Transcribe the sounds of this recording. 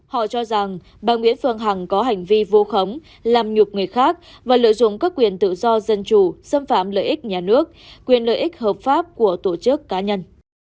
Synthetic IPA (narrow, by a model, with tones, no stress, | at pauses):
hɔ̰˧˨t͡ɕɔ˧za˨˩ŋ | ɓaː˨˩ŋwḭ˧˥ənfɨ˧˩əŋɦa˨˩ŋkɔ˨˦ɦa˨˩jŋ̟vi˧vo˧xə˨˦wŋ͡m | laː˨˩mɲʊ˨˩k͡p̚ŋɨ˨˩əjxaː˦˥k̚ | vaː˨˩lə̰˧˨jzʊ̰˧˨ŋ͡mkaː˦˥kːwi˨˩ənt̪ɨ̰˧˨zɔ˧zə˧nt͡ɕu˨˩sə˧mfa̰ː˧˨mlə̰ː˧˨ʔï˦˥k̟̚ɲaː˨˩nɨ˦˥ək̚kːwi˨˩ənlə̰ː˧˨jʔï˦˥k̟̚həː˨˩p̚faː˦˥p̚ku˧˩ət̪o˧˩t͡ɕɨ˦˥əkːaː˨˦ɲə˧n